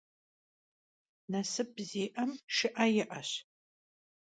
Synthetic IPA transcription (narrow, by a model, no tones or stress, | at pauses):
nɐsɨb̚ziːʔɐmʃɪʔɐjɪʔɐɕ